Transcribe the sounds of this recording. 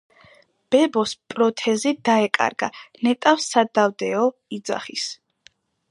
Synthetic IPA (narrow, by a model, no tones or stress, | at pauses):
b̥ɛbɔspʼɾɔt̪ʰɛzid̪̥aɛkʼa̰ɾɡa̰nɛt̪ʼafsad̪avd̪ɛɔid̪za̰χis